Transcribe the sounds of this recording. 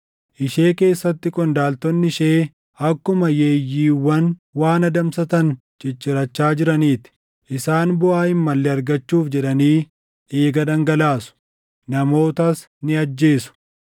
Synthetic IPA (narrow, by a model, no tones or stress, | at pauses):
ʔɪʃeːke̞ːsːɐt̪ːɪkʼɔnd̪aːlt̪ɔnːɪʃeː | ɐkːʊmɐjeːjːiːwːɐnwaːnɐd̪ɐmsɐt̪ɐn | t͡ʃʼɪt͡ʃːɪɾɐt͡ʃːaːd͡ʒɪɾɐniːt̪ɪ̥ | ʔɪsaːnbʊʔaːɪmːɐlːɛɐɾɡɐt͡ʃːuːfd͡ʒɛᶑɐniː | ʔe̞ːɡɐd̪ɐŋɡɐlaːsʊ̥ | nɐmo̞ːt̪ɐs | nɪɐd͡ʒːe̞ːsʊ̥